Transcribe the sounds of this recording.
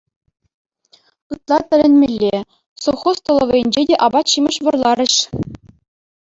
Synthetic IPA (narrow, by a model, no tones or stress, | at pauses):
ɯt̪lˠɑt̪ʲɘ̆lʲɘ̆nʲmʲelʲːe | sowχost̪ŏlˠɤ̆ʋʲɤ̆jɘ̆nʲd͡ʑedʲeʔɑbɑt̪ɕimɤ̆ʂʋɤ̆rlˠɑɾʲɘ̆ɕ